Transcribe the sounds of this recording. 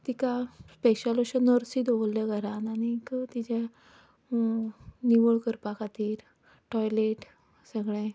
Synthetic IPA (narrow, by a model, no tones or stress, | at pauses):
t̪ikaspɛɕaloɕənəɾsid̪ʱolːeɡəɾanañikt̪id͡ʑa | niʋəɭkəɾpakat̪iːɾ | ʈɔjleʈ | səɡɭɛ̃